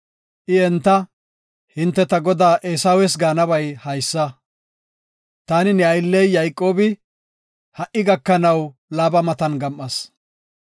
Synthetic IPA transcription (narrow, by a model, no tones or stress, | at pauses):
ʔɪɛnt̪ːɐ | hɪnt̪ːɛt̪ɐɡɔd̪aːʔeːsɐwɛs̬ɡaːnɐbɐjhɐjsːɐ | t̪aːnɪnɛɐjɪlːɛjːɐjkʼo̞ːbɪ | hɐʔɪɡɐkːɐnɐwlaːbɐmɐt̪ɐnɡɐmʔːɐs